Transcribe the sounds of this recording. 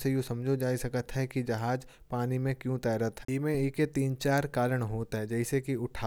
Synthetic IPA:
sejũsɐ̃md͡ʒʱod͡ʒaːisɐkət̪ɦɛkid͡ʒɐɦaːd͡ʒ | paːnimẽkjũt̪ɛːɾət̪ɦɛimẽeːket̪iːnt͡ʃaːɾkaːɾəɽ̃ɦoːt̪ɦɛd͡ʒɛɪsekiʊʈʰaː

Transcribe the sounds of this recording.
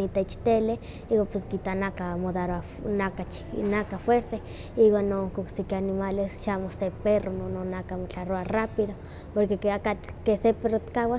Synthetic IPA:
it̪ait͡ʃt̪ele | iwaposkit̪anakamod̪aɾoa | nakat͡ʃ | nakafweɾt̪e | iwanːoŋkoksikeanimalesʃamoseperonononakamot͡ɬaɾoarapiðo | poɾkekakakeseperot̪i̥kawa

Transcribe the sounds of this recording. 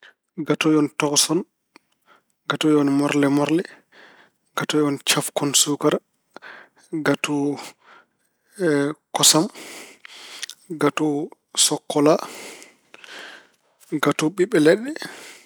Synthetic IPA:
ɡatɔjɔntɔksɔn | ɡatɔjɔnmɔɾlɛmɔɾlɛ | ɡ̥atɔjɔnt͡ʃafkɔnsukaɾ | ɡatu | kɔsam | ɡatu | sɔkːɔla | ɡatuɓiɓːɛlɛɗːɛ

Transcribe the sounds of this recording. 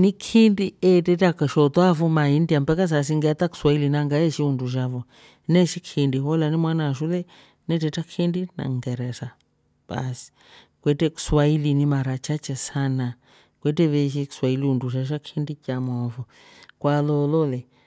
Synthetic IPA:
nikʰindiɛtɛtakaʃɔt̪wafumaindiampɛkas̬as̬iŋɡɛt̪aku̥swailinaŋɡaɛʃiunduʃ̬avɔ | nɛʃikʰindihɔlanimwanaʃulɛ | nɛtɛtakʰindina̰ŋɡɛɾɛsa | ba̰si̥ | kwɛtɛku̥swailinimaɾat͡ʃat͡ʃɛsana | kwɛtɛβɛʃ̬iku̥swailiunduʃ̬aʃ̬akʰindicamɔfɔ | kwalɔlɔlɛ

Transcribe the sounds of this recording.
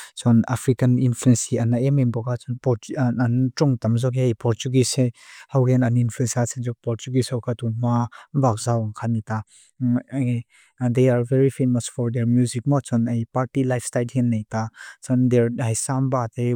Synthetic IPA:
t͡sɔna̰fɹikɐninfluɛnsiɐnaʔɛmɛnbɔkʰat͡sunpɔantɹɔŋt̪ɐmzɔkɦejpɔɹt͡ʃuɡisehawhɛnɐninfluɛnsiasɛnzɔk̚pɔɾt͡ʃuɡisɔwkʰat̪umavak̚zawɐnkʰanit̪a | d̪ejaɹvɛɹifeməsfɔɹd̪ɛɹmjuzik̚mɔat͡sɔnejpaɹtilajfstajlhɛnːejt̪at͡sɔnd̪ɛɹɦajsambat̪e

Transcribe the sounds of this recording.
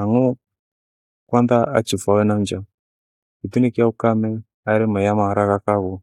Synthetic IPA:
aŋɔ | kwand̪aa̰t͡ʃifawɛnamd͡ʒa | kit̪unikɪaukamɛ | aɾɛmajamaɾakakaɣɔ

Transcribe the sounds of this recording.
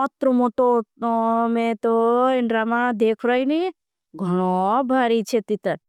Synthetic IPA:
ɔt̪ɾomoʈo | mẽt̪oɪɳɖɾamad̪eːkʰɾɔini | ɡʱɔɽ̃obʱaːɾit͡ʃʰet̪it̪əɾ

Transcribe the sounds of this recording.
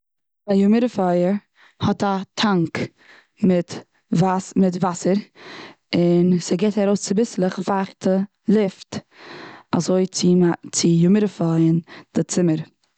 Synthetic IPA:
ajʊmɪɾəfɔjəɾ | hɔtatʰaŋk | mɪt | vasmɪtvasəɾ | ɪnseɡeɪtaɾoʊst͡sɪbɪslˠəχvaχtʰə | lˠɪft | a̰zoɪt͡sɪat͡sɪjʊmɪɾəfɔɪənd̥ɪt͡sɪməɾ

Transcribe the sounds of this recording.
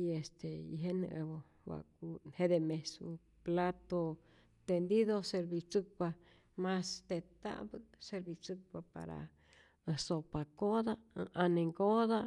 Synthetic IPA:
iest̪eiɦen̰ʔebo | wa̰k̚unhed̪emesu | plat̪o | t̪end̪iðoseɾbit͡sɨk̚pa | mast̪et̪a̰bɨseɾbit͡sɨk̚papa̰ɾa̰ | əsopakod̪aʔaneŋɡod̪a

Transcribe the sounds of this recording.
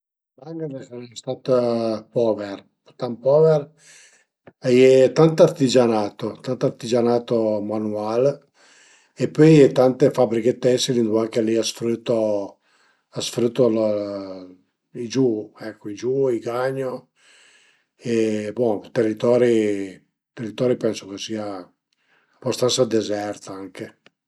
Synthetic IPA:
baŋɡanɛkɛnɛst̪aːt̪pɔːver | t̪ampɔver | ajɛt̪ant̪oart̪id͡ʒanaːt̪ot̪ant̪oart̪id͡ʒanaːt̪omanual | epːɔjt̪ant̪efabɾik̟et̪ːɛsːelind̪uaŋkaliasfɾut̪ːo | asfɾut̪ːol | id͡ʒuɛkʰːoid͡ʒuiɡaɲːo | ebɔt̪erːit̪ɔːɾi | t̪erːit̪ɔːɾipɛnsokesiːa | abast̪ansad̪ezɛrt̪aaŋke

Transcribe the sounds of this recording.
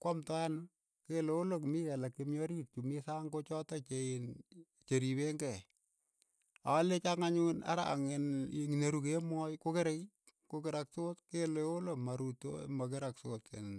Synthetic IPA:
kwamtɔan | keleolok̬mikɛlakːemjoɾit̚t͡ʃumisaːŋkot͡ʃɔtat͡ʃeɪn | t͡ʃeɾibeŋɡɛ | alet͡ʃaŋaɲuna̰ɾaaŋenŋineɾukemɔjkokeɾej | kokɪɾaksotkeleolomaɾuto̰makɪɾaksoːtḛn

